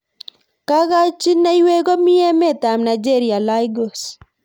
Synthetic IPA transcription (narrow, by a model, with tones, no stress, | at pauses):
ka˦ɣa˦t͡ʃi˦na˦jwe˦ɡɔ˦mi˦ɛ˦me˦˨ta˨mna˨d͡ʒe˦˨ɾi˨a˨la˦jɡo˨s